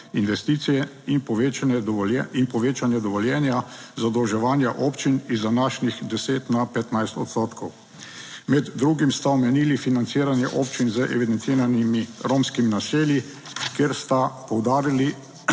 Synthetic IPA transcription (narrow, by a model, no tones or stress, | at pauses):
inʋɛst̪iːt̪sijɛ | inpɔʋet͡ʃanɛɛinpɔʋeːt͡ʃanjɛd̪ɔʋɔljɛːnjazad̪ɔwʒɛʋaːnjaʔoːpt͡ʃinizd̪anaʃnixd̪ɛseːt̪napɛt̪najst̪ɔt̪st̪oːt̪kʰɔw | mɛd̪ːɾuːɡimst̪aɔmɛnilifinant̪siːɾanjɛʔoːpt͡ʃinzəʔɛʋid̪ɛnt̪iːɾanimiɾoːmskiminaseːlji | keɾst̪apɔwd̪aːɾili